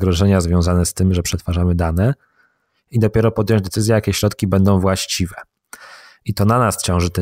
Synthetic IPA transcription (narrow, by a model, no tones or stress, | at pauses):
ɡɾɔʐɛɲazvʲjɔ̃w̃zanɛst̪ɘmʐɛpʂɛt̪faʐamɘd̪anɛ | id̪ɔpʲjɛɾɔpɔd̪ʲjɔ̃ɲd͡ʑd̪ɛt̪sɘzʲjɛjakʲɛɕɾɔt̪kʲibɛnd̪ɔ̃w̃vwaɕt͡ɕivɛ | it̪ɔnanast͡ɕɔ̃w̃ʐɘt̪ɛ